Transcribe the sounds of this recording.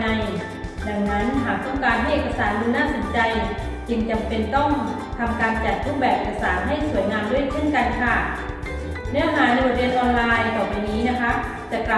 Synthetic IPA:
a˧j | da˧ŋna˦˥nt̪ʰaː˨˩˦t̪ɔ˥˩ŋkaː˧nɦa˥˩jʔeː˨˩ka˧saː˩˦ndɯː˧naː˥˩so˩˦nt͡ɕa˧j | t͡ɕi˧nt͡ɕa˧mpe˧nt̪ɔ˥˩ŋ | t̪ʰa˧mkaː˧nt͡ɕa˨˩t̪̚ɾuː˥˩bɛː˨˩p̚ʔeː˨˩ka˧saː˩˦nɦa˥˩jsu˨˩˦jnaː˧mdu˥˩əjt͡ɕʰe˥˩nka˧nkʰa˧˩ | nɛ˧˦˥naː˨˦˥na˧jbaː˨˩weː˧nʔɔː˧nlaː˧jkɔː˨˩pa˧jniː˦˥na˦˥kʰa˦˥ | t̪ɛː˨˩kla˧˩

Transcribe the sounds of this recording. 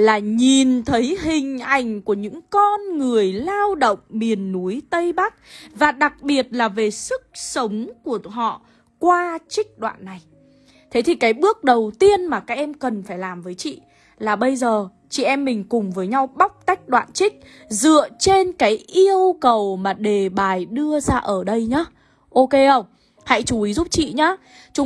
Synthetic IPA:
laː˨˩ɲi˨˩nt̪ʰə˨˦jɦï˨˩ŋ̟ʔa˨˩jŋ̟ku˧˩əɲɨ̰˧˥ŋkɔ˧nŋɨ˨˩əjlaː˧wɗo̰˧˨wŋ͡mmi˨˩ənːu˨˦jt̪ə˧jɓa˦˥k̚vaː˨˩ɗa˨˩k̚ɓi˨˩ət̚laː˨˩ve˨˩sɨ˦˥k̚sə˨˦wŋ͡mku˧˩əɦɔ̰˧˨ | kwaː˧t͡ɕï˦˥k̟̚ɗwa̰ː˧˨nːa˨˩j | t̪ʰe˨˦t̪ʰi˨˩kaː˨˦jɓɨ˦˥ək̚ɗə˨˩wt̪i˧ənmaː˨˩kaː˦˥k̚ʔɛ˧mkə˨˩nfaː˧˩jlaː˨˩mvəː˨˦jt͡ɕḭ˧˨ | laː˨˩ɓə˧jzəː˨˩ | t͡ɕḭ˧˨ʔɛ˧mːï˨˩ŋ̟kʊ˨˩ŋ͡mvəː˨˦jɲa˧wɓa˦˥wk͡p̚t̪a˦˥jk̟̚ɗwa̰ː˧˨nt͡ɕï˦˥k̟̚ | zɨ̰˧˨ət͡ɕe˧nkaː˨˦jʔi˧əwkə˨˩wmaː˨˩ɗe˨˩ɓaː˨˩jɗɨ˧əzaː˧ʔəː˧˩ɗə˧jɲaː˨˦ | ʔo˧ke˧hə˧˩wŋ͡m | ha̰˧˥jt͡ɕu˨˦ʔi˨˦zu˦˥p̚t͡ɕḭ˧˨ɲaː˨˦ | t͡ɕʊ˨˦

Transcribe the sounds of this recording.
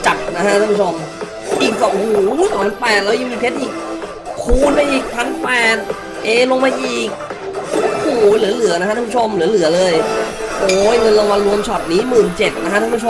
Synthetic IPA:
t͡ɕa˨˩p̪̚na˦˥kʰa˧˥a˧˨pu˦˥˩o˧m | ʔiː˨˩k̚kɔ˧˩ʔo˧huː˨˩˦t̪ɔː˨˩a˧˦pɛː˨˩t̪̚lɛː˦˥wjiː˧˩i˨˩pʰe˦˥t̪ʔiː˨˩k̚ | kʰuː˧˩nmaː˧jʔiː˨˩k̚pʰa˧˥npɛː˨˩t̪̚ | ʔeː˨˩lo˧ŋmaː˧ʔiː˨˩k̚ | ʔkʰuː˨˩lɯ˩˦lɯ˨˩˦na˧˥kʰaː˥˧˩t͡ɕʰo˧mlɯ˩˦lɯ˨˩˦ɐlɤː˧j | ʔoː˨˧˦jŋɤ˧nla˧ŋwa˧nɾu˧əmt͡ɕʰɔ˨˩t̪̚niː˦˥mɯː˨˩nt͡ɕe˨˩t̪̚na˦˥kʰa˥a˧˦u˥o˧

